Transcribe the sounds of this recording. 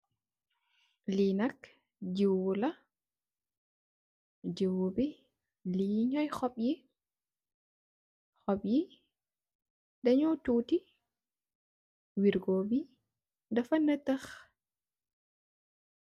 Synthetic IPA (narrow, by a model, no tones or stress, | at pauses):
linak | d͡ʒiwula | d͡ʒiwubi | liɲɔjxɔɓji | xɔɓji | dɛɲɔtuti | wiɾɡobi | dafanːatax